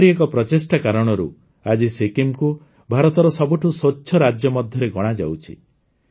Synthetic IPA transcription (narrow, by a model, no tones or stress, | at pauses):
ɽiekɔpɾɔt͡ʃesʈakaɾɔɽ̃ɔɾṵ | ad͡ʒisekimku | bʱaɾɔt̪ɔɾɔsɔbuʈʰusoːt͡ʃʰːɔɾad͡ʒjɔmɔd̪ʱjɔɾeɡɔɽ̃ad͡ʒa̰wt͡ʃʰḭ